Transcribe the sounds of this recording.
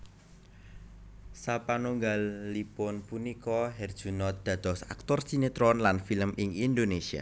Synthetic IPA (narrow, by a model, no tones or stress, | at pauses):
sapanuŋɡalːipʊnpunikɔɦɛrd̥ʒ̥ṳnɔt̪̚d̪̥ä̤d̪̥ɔ̤sak̚t̪ɔrsinet̪ɾɔnlanfiləmɪŋind̪onesia̰